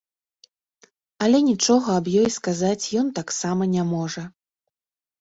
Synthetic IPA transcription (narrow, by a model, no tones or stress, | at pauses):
ɐlʲɛnʲit͡ʂɔɣɐɐbjɔjskazat͡sʲjɔnt̪aksamɐnʲamɔʐɐ